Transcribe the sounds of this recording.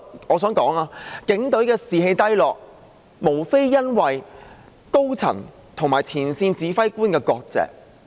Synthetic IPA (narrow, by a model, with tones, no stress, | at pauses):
ɔː˨˧s̬œː˨˥ŋkɔː˨˥ŋaː˧kɪ˨˥ŋt̪ɵ˨˥ɥkɛː˧siː˨ɦe˧jt̪ɐ˥jlɔː˨k̚ | mo˨˩wfe˥jːɐ˥nwɐ˨j | ko˥wt͡sʰɐ̰˨˩ŋ | t̪ʰo˨˩ŋmaː˨˩jt͡sʰiː˨˩nsiː˧nt͡siː˨˧fɐ˥jkuː˥nkɛː˧kɔː˧k̚t͡sɛ̰ː˨k̚